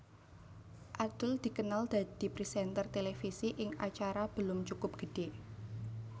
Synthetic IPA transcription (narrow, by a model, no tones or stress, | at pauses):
ʔad̪̥ʊld̪̥i̤kənald̪̥a̤d̪̥i̤pɾisɛnt̪ərt̪elefisiʔɪŋʔa̰t͡ʃaɾab̥əlʊmt͡ʃukʊp̚ɡ̥ə̤ɖ̥e